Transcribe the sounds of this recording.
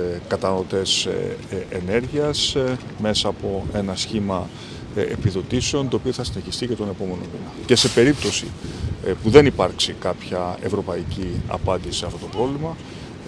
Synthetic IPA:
kɐt̪ɐnɐlot̪e̞s | ene̞ɾʝiɐs | me̞sɐːpo̞e̞nɐsçimɐ | ḛpiðo̞t̪iseo̞nt̪o̞ːpio̞θɐsine̞çist̪ice̞t̪o̞ne̞po̞me̞no̞minɐce̞se̞pe̞ɾip̚t̪o̞sḭpuðe̞nipɐɾksikɐpçɐe̞vɾo̞pɐiciɐ̰pɐnd̪isiɐft̪o̞t̪o̞pɾo̞vlimɐ

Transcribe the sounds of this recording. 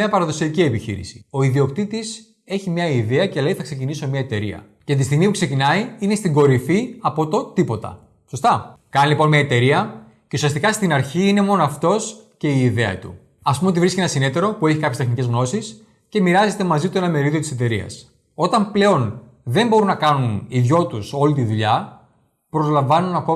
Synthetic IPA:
ɐpɐɾɐðo̞siɐcie̞piçḭɾḭsi̥o̞iðio̞kt̪it̪is | e̞çimɲɐiðeɐceleiθɐkse̞ciniso̞mɲɐet̪e̞ɾḭɐ̰ | cet̪ist̪iɣmipukse̞cinɐiine̞st̪iɡo̞ɾifiɐpo̞t̪o̞t̪ipo̞t̪ɐ̰ | so̞st̪ɐkɐnilipo̞nmɲɐe̞t̪e̞ɾiɐ | ce̞usiɐst̪ikɐst̪inɐɾçiine̞mo̞noɐft̪o̞sce̞iːðe̞ɐ̰t̪ṵ | ɐspumeot̪ivɾisceenɐsinet̪e̞ɾo̞pue̞çikɐpçest̪xnice̞zɣno̞sis | ce̞miɾɐze̞t̪e̞mɐzit̪oenɐme̞ɾiðio̞t̪i̥set̪e̞ɾiɐ̰s | o̞t̪ɐmple̞o̞n | ðe̞mbo̞ɾunɐkɐnuniðʝo̞t̪uso̞lit̪iðuʎɐ | pɾo̞zlɐɱvɐnunɐko̞

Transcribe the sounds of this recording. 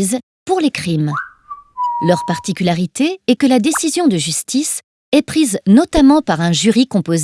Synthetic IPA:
z | puʁlekχim | lœʁpaʁt̪ikʲylaʁit̪eɛkəlad̪esizjɔ̃d̪əʒyst̪is | ɛpχiznɔt̪amɑ̃paʁɛ̃ʒyʁikɔ̃poz

